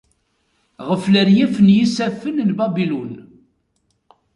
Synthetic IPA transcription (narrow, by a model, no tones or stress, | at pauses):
ʁəfləɾjæfənjisæfːənnbæbilun